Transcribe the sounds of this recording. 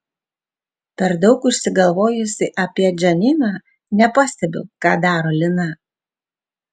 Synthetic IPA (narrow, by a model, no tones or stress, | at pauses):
pʲɛɾd̪ɒʊkʊʃʲsʲɪɡɐlˠʋoːjʊsʲɪʔɐpʲiɛd͡ʒʲɛnʲɪnɑː | nʲɛpɐsʲt̪ʲɛbʲɛ̰ʊkɑ̰ːd̪ɑːɾoːlʲɪnɐ